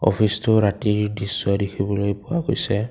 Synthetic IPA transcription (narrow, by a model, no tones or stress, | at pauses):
ɔ̰pʰistʊɹatiɹdiswadekʰibɔlojpʊakojsɛ